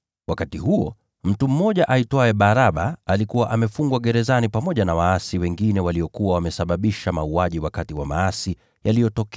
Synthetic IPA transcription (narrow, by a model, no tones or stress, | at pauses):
wakatihuɔ̰ | m̩tum̩mɔʄaʔaitwaɛɓaɾaɓaalikuwaʔamɛfuŋɡwaɡɛɾɛzanipamɔʄanawaasiwɛŋɡinɛwalijɔkuwawamɛsaɓaɓiʃamauaʄiwakatiwa̰ma̰asi | jalijɔtɔkɛ